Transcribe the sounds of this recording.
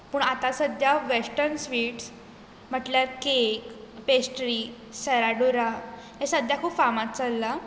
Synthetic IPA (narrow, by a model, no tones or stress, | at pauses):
puːɳat̪asəd̪ʱjaʋesʈəɾnsʋiːʈs | m̤əʈljaɾkekpesʈɾiː | səɾaɖuɾa | jesəd̪ʱjakʰuːpfamat̪t͡səlːa